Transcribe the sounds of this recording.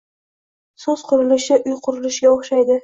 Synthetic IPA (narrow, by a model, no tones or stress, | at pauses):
sɵz̥qʰʊɾɪlɪʃɪʔʊjqʰʊɾɪlɪʃɡʲaoχʃajd̪ɪ